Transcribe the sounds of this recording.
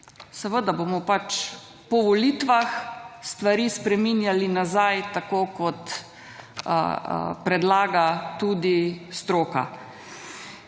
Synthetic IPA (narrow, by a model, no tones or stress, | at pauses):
səʋəd̪abomɔpat͡ʃ | pɔʋɔliːt̪ʋaxst̪ʋaɾispɾɛminjalinazajt̪akoːkɔt̪ | pɾɛd̪laːɡat̪uːd̪ist̪ɾoːka̰